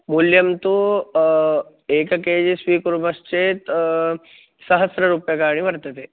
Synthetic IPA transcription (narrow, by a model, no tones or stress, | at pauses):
muljɐmt̪u | eːkɐkeːd͡ʒisʋiːkɾbɐst͡ʃet̪ | sɐɦəsɾəɾupjɐkaːɽ̃ĩʋɐɾt̪ət̪e